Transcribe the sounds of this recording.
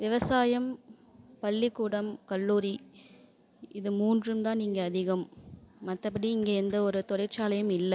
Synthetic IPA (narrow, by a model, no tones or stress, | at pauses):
ʋɪʋɐsaːjɐm | pɐlːɪkːuːɽɐmkɐlːuːɾi | ɪðɯmuːndrɯmt̪ãːniːŋɡɐːðɪɣɐmːɐt̪ːɐpːɐɽiɪŋɡeːɛnd̪ɐɔɾɯt̪ɔɽɐɪɾt͡ʃaːlɐjɯmɪlːɐ